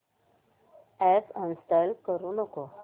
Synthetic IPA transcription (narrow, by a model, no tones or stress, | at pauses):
ɛsənst̪əlkəɾunəko